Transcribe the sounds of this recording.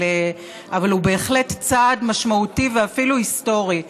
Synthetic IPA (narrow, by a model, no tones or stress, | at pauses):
e | avalube̞ːχle̞tt͡sadmaʃmautiveafiluhisto̞ʁi